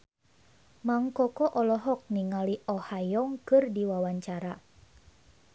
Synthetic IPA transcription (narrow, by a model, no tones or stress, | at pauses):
maŋkɔkɔʔɔlɔɦɔk̚niŋaliʔɔhajɔŋkɨrdiwawaɲt͡ʃaɾa